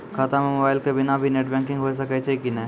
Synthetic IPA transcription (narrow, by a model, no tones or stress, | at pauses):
kʰaːt̪amemobaːɪlkebɪnabʱineʈbɛ̃ːŋkɪ̃ŋɡɦoːs̬ɐkɛt͡ʃʰekinɐ̃